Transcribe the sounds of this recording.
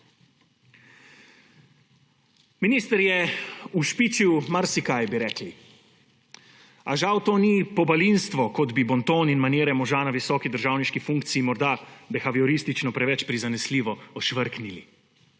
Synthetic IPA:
miniːst̪əɾjɛuʃpit͡ʃiwmaɾsikajbiɾɛːkli | aʒawt̪oːnipɔbalinst̪ʋɔkɔd̪bibɔnt̪oːninmaneːɾɛmɔʒaːnaʋisɔːkid̪əɾʒaːwniʃkifuŋk̚t̪siːmɔɾd̪abɛxaʋiɔɾist̪it͡ʃnɔpɾɛʋɛt͡ʃpɾizanɛsliːʋɔɔʃʋəɾknili

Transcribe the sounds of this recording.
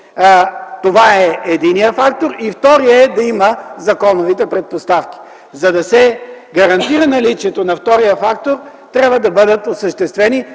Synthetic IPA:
t̪ovaɛɛd̪inijəfakt̪oɾift̪ɔɾiəɛd̪ɐiməzɐkɔnovit̪ɛpɾɛt̪̚post̪afkʲi̥ | zɐd̪ɐsɛɡɐɾɐnt̪iɾənɐlit͡ʃiɛt̪onɐft̪ɔɾijəfakt̪oɾ | t̪ɾʲabvəd̪ɐbɤd̪ət̪osəʃt̪ɛst̪vɛni

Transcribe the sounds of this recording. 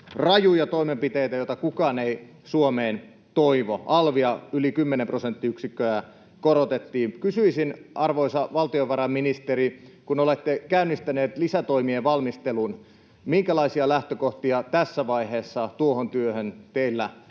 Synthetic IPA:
rɑjujɑt̪oimempit̪eit̪æjoit̪ɑkukɑːnei | suomeːn | t̪oiʋoʔɑlʋiɑylikymːenemprosent̪ːiyksikːøæ | koɾot̪et̪ːiːnkysyisinɑrʋoisɑʋɑlt̪ioʋɑɾɑminist̪eɾikunolet̪ːekæynːist̪æneːt̪lisæt̪oimieʋɑlmist̪elun | miŋkælɑisiɑlæht̪økoht̪iɑt̪æsːæʋɑiheːsːɑt̪uohont̪yøhønt̪eilːæ

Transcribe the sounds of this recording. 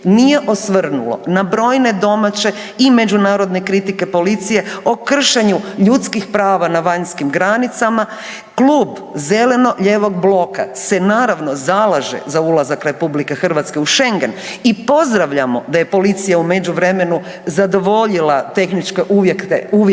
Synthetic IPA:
nije̞ʔo̞sʋr̩nulo̞̰nabɾo̞ːjne̞d̪o̞mat͡ɕe̞ | ime̞d͡ʒunaːɾo̞d̪ne̞kɾit̪ike̞po̞lit̪sije̞okr̩ʃeɲuʎut̪skixpɾaːʋanaʋaɲskimɡɾanit̪sama | kluːb | ze̞le̞no̞ʎe̞ːʋo̞ɡ̚blˠo̞ka̰se̞naːɾaʋno̞zalˠaʒḛzaulazakɾe̞publikexr̩ʋat̪ske̞uʃe̞ŋɡenipo̞zd̪ɾaʋʎamo̞d̪aje̞po̞lit̪sijaume̞d͡ʑuʋɾe̞me̞nu | zad̪o̞ʋo̞ʎilat̪e̞xnit͡ʃkeʔujeu

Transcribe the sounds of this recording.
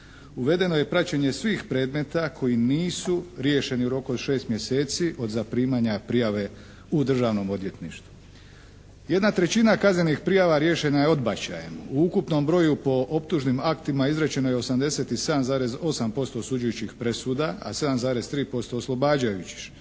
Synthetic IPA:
uʋe̞d̪e̞no̞je̞pɾat͡ɕeɲe̞sʋiːxpɾe̞ːd̪me̞t̪akʰo̞jiniːsuɾje̞ʃe̞niuɾo̞kuod̪ʃe̞ːst̪mje̞se̞ːt̪siʔo̞d̪zapɾiːmaɲapɾijaʋe̞ | ud̪r̩ʒaːʋno̞mo̞d̪je̞t̪nḭʃt̪vu̥ | je̞d̪nat̪ɾe̞t͡ɕinakazne̞nixpɾijaʋaɾje̞ʃe̞naje̞o̞d̪bat͡ɕa̰jḛmuukupno̞mbɾo̞jupo̞ʔo̞pt̪uʒnimakt̪imaizɾet͡ɕe̞no̞jeo̞samd̪e̞se̞t̪ise̞d̪amzaːɾe̞zo̞sampo̞st̪o̞ːsud͡ʒujut͡ɕixpɾe̞suːd̪aa̰se̞d̪amzaːɾe̞st̪ɾiːpo̞st̪o̞ːslˠo̞baːd͡ʑajut͡ɕi̥x

